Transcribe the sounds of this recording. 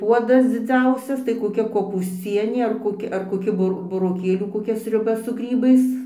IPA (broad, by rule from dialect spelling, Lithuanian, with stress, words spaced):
ˈpuɔdɐs d͡zʲɪˈd͡zʲɛʊsʲɛs tɐɪ koːˈkʲɛ koːpuːsʲˈt͡sʲiɛnʲeː ɐr koːˈkʲɪ ɐr koːˈkʲɪ bʊˈr bʊroːˈkʲeːlʲuː koːˈkʲɛ sʲrʲʊˈbɐ sʊ ˈɡrʲiːbɐɪs